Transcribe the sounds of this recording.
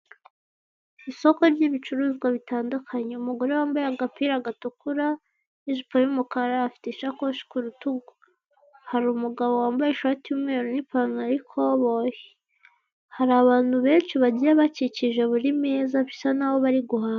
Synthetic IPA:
iso̞ko̞ɾɟiβit͡ʃuɾuːzɡwaβitaːndukʰaɲe̞umuɡo̞ɾe̞waːmbajaɡapiɾaɡatukuɾa | iʒipojumukaɾaːfi̥tiʃakoʃi̥kuɾutuɡo | haɾuːmuɡaβowaːmbajeʃaːtiumŋeɾonipanaɾikʰo̞βoje̥ | haɾaβaːn̥huβe̞ːnʃiβaɟijaβaciciʒe̞βuɾimeːzafi̥sanaβo̞βaɾiɡuɦaː

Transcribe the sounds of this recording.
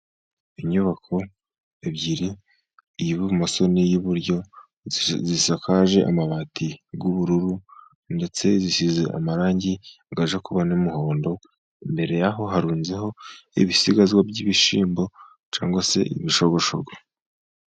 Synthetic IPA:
iɲuβakʰo̞ | ebɟiɾi | ijiβuβumaso̞nijuβuɾɟo̞ | zisakʰaʒe̞ʔa̰maβaːtʰiɡuβuɾuɾu | nde̞t͡se̞ziʃize̞ʔa̰maɾaːɲɟi | ɡaʒakuβanimuho̞ːndo̞ | imbe̞ɾe̞jaɦo̞ɦaɾuːnzeɦo̞ḭβisiɡazwabɟiβiʃiːmbo̞ | t͡ʃa̰ːŋɡwase̞̰ʔḭβiʃo̞βo̞ʃo̰ɡa

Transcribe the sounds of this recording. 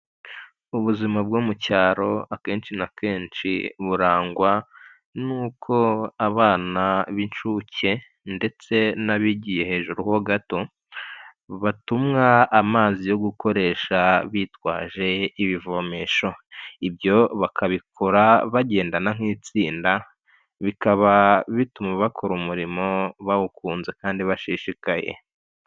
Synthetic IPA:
uβuzimabɡoːmucaːɾo̞ake̞ːnt͡ʃinakʰe̞ːnʃḭβuɾaːŋɡwa | nuːkʰo̞aβaːnaβint͡ʃuce̞ | nde̞t͡se̞naβiɟije̞he̞ːʒuɾuhoɡato̞ | βatumŋaːmaːzijo̞ɡuko̞ɾe̞ːʃaβiːtwa̰ːʒe̞iβivo̞meʃo̞ibjo̞βakʰaβikʰoɾaβaɟe̞ːndanaŋ̥iːt͡siːnda | βikaβaβitumaβakʰo̞ɾumuɾimo̞βaukuːnze̞kaːndiβaʃiʃikajḛ

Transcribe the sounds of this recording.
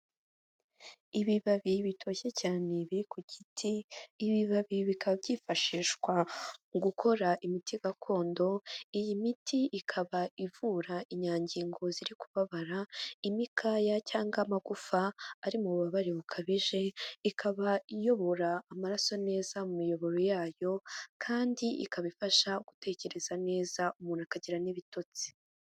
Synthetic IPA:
iβiβaβiβitʰo̞ːçe̞caːne̞βiɾikuɟitʰiːβiβaβiβikʰaβabiːfaʃiːʃkwaɡukʰo̞ɾaʔimitʰiɡakʰo̞ːndo̞ijimitʰiʔikʰaβaivuːɾaʔiɲaːɲɟiːŋɡo̞ziɾiku̥βaβaɾaimikʰajacaːŋɡamaɡufaːɾimuβuβaβaɾiβukʰaβiʒe̞ikʰaβaijo̞βo̞ɾaːmaɾaso̞ne̞ːzamumijo̞βo̞ɾo̞jaːjo̞kʰaːndiʔḭkaβifaʃauɡ̥u̥te̞ːce̞ɾe̞z̥ane̞ːzaumuːn̥akaɟiɾaniβito̞t͡si̥

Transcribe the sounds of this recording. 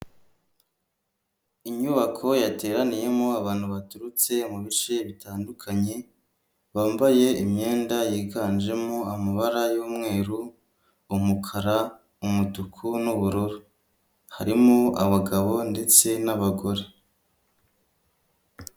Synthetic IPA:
iɲuβakʰo̞jate̞ːɾanije̞moaβaːn̥huβatuɾut͡se̞muβit͡ʃe̞βitaːndukʰaɲe̞ | βaːmbaje̞ʔimɲe̞ːndajiːɡaːnd͡ʒe̞moamaβaɾajuːmŋe̞ːɾuː | mukʰaɾa | umutukʰunuβuɾuɾo | haɾimoaβaɡaβo̞nde̞t͡se̞naβaɡo̞ɾe

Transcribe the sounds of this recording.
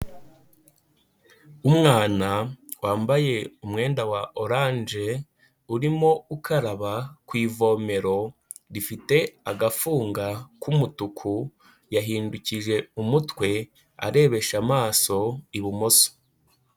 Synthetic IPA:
umŋaːnawaːmbaje̞umŋe̞ːndawaʔoɾaːnʒe̞ | uɾimo̞ukʰaɾaβakwiːvo̞ːme̞ɾo̞ | ɾifite̞aɡafuːŋɡakumutukʰu | jaɦiːnduciʒe̞umutwe̞ | a̰ɾe̞ːβe̞ʃamaːso̞iβumo̞so̥

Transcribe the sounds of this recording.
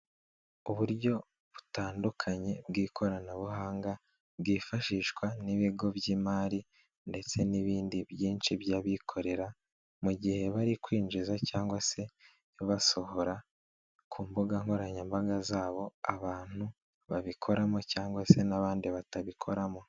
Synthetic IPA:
uβuɾɟo̞ | βu̥taːndukʰaɲe̞bɡiːkʰo̞ɾanaβuɦaːŋɡa | bɡiːfaʃiːʃkwaniβiɡo̞bjiːmaːɾi | nde̞t͡se̞niβiːndiβjiːnt͡ʃiβjaβikʰo̞ɾe̞ɾa | muɟihe̞βaɾikwiːnd͡ʒizacaːŋɡwase̞ | joβaso̞ho̞ɾa | kʰuːmbuɡaŋo̞ɾaɲambaɡazaːβo̞aβaːn̥hu | βaβikʰo̞ɾamocaːŋɡwase̞naβaːndiβataβikʰo̞ɾamo̞

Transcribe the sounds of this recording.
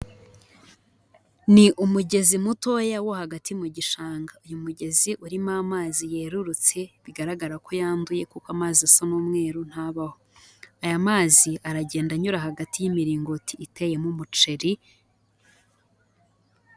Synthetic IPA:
niʔumuɟe̞zimuto̞jawo̞haɡatijumuɟiʃaːŋɡaujumuɟe̞ziʔuɾimaːmaːzije̞ːɾuɾut͡se̞βiɡaɾaɡaɾakʰo̞jaːnduje̞kukamaːziasonuːmŋe̞ːɾun̥haβaho̞ajamaːziaɾaɟe̞ːndaɲuɾaɦaɡatijimiɾiːŋɡotiːte̞je̞mumut͡ʃe̞ɾi

